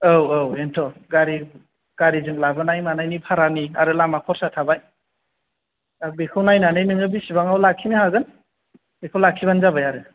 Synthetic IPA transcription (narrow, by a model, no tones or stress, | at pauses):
owowentʰɔɡaɾi | ɡ̥aɾizɯŋlabɯnajmanajnipʰaɾaniaɾɯlamakʰɔɾsatʰabaj | abekʰɯwnajnanajnɯŋɯbisibaŋawlakʰːinihaɡɯn | bekʰɯwlakʰːibanzabajaɾɯ